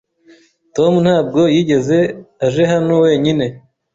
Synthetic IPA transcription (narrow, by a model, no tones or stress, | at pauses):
to̞mun̥haːb̚ɡo̞jiːɟe̞ze̞aʒe̞ɦanowe̞ːɲine̞